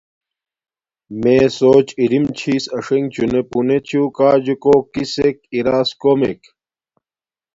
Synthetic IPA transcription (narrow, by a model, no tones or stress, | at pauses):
meːsoːt͡ɕiɾimt͡ɕʰiːsɐʂeŋɡ̚t͡ɕunepunet͡ɕʰuːkaːd͡ʑukokisek̚iɾaːskomḛk